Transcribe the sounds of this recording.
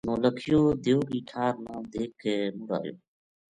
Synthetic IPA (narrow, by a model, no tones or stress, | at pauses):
nõːləkʰɪjoːd̪eoːɡiːʈʰaːɾnãːd̪eːkʰemʊɾa̰ːjo̰ː